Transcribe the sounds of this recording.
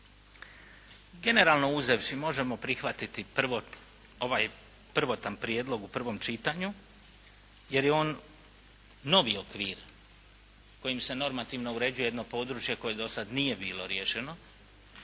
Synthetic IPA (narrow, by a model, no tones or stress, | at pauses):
ɡe̞ne̞ɾaːlno̞uzeʋʃimo̞ʒe̞mo̞pɾixʋat̪it̪i | oʋaj | pr̩ʋo̞t̪anpɾjeːd̪lo̞ɡupr̩ʋo̞mt͡ʃit̪aɲu | je̞ɾjeo̞ːn | o̞ʋiokʋiːɾ | ko̞jimse̞no̞ɾmat̪iʋno̞uɾe̞d͡ʑujee̞d̪no̞po̞ːd̪ɾut͡ʃje̞ko̞je̞d̪o̞sad̪nije̞biːlˠo̞ɾjeʃe̞no̞